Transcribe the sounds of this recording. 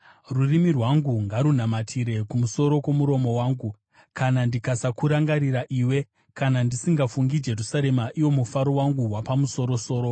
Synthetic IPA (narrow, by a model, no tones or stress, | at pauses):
rurimirwaŋɡuŋɡaɾun̤amatʰiɾe̞kumuso̞ɾo̞kwo̞muɾo̞mo̞waːŋɡu | kanandikasakuɾaŋɡaɾiɾaʔiːwe̞ | kanandisiŋɡafuŋɡid͡ʒe̞rusaɾe̞maʔiwo̞mufaɾowaŋɡuwapamuso̞ɾo̞so̞ːɾo̞